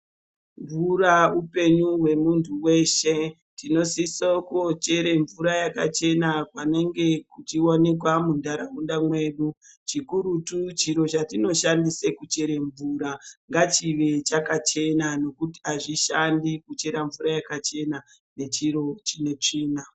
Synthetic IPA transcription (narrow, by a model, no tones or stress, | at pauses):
ɱvuɾaupe̞ɲuɦwe̞muntʰuwe̞ʃe̞ | tino̞sisokot͡ʃe̞ɾe̞ɱvuɾajaka̰t͡ʃe̞nakwane̞ŋɡe̞kut͡ʃiwone̞k̬wamundaɾaundamwe̞ɗu | t͡ʃikuɾutut͡ʃiɾo̞t͡ʃatino̞ʃandisekut͡ʃe̞ɾe̞ɱvuɾaŋɡat͡ʃiʋe̞t͡ʃakat͡ʃe̞nano̞kuti̥aʐiʃandikut͡ʃe̞ɾaɱvuɾajakat͡ʃe̞na | ne̞t͡ʃiɾo̞t͡ʃine̞t͡ʂiːna